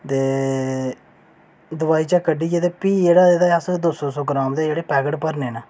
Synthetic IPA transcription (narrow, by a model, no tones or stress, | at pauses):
t̪eː | d̪ʊʋaːiːt͡ʃaːkəɖiːd͡ʒet̪eːpiːd͡ʒeːɽaed̪aasd̪oːsõːsõːɡɾãːmd̪ed͡ʒeːɽeːpɛːɡəʈpəɾneːnaː